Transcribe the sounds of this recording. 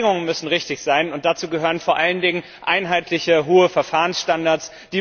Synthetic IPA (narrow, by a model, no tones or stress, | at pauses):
ŋʊŋənmʏsn̩ʁɪçtɪçz̥aɪnʊnt̚d̥at͡suːɡəɦøːʁənfoɐʔaləndɪŋən | ʔaɪnɦaɪtʰlɪçəɦoːəfɛɐfaːʁənsʃtandaɐt͡s | d̥iː